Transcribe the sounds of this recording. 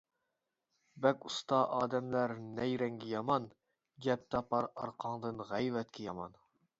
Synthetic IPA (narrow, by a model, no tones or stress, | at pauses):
bɛkʲust̪ɑʔɑːd̪ɛmlæɾnɛjɾɛŋɡʲɛjɑmɑn | ɡʲɛp̚t̪ʰɑpɑɾɑɾqʰɑŋd̪ɨnʁæjvɛt̪kʲʰɛjɑmɑn